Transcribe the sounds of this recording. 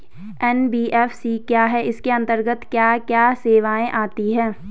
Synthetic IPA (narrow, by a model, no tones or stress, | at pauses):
ɛnbiːʔɛːfsikjaːɦɛʔɪskeɐ̃nt̪əɾɡət̪kjaːkjaːseːʋaːẽʔaːt̪iɦɛ̃ː